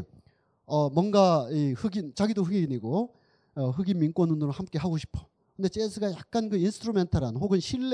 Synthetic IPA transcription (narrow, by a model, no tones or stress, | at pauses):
ʌmwʌnɡaihɯɡint͡ɕaɡidoɸɯɡiiniɡo | ʌɦɯɡimmink͈wʌnːunɯɾohamk͈e̞ɦaɡoɕʰi̥pʰo̥ | kɯnde̞t͡ɕ͈esʰɯɡajak̚k͈ankɯinsʰtʰɾume̞ntʰʌɾanhoɡɯnɕʰiɭː